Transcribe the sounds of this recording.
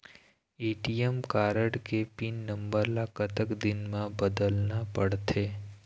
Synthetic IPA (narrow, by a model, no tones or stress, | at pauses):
eʈijemkaɾəɽkepinːəmbəɾlakət̪əkd̪ɪnmãbəd̪əlnapəɽt̪ʰe